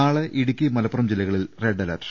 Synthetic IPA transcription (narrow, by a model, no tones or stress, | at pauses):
aːɭɨʔiɽukʲːimɐlɐpːurɐmd͡ʑilɐɣɐɭilreɖɐlɐr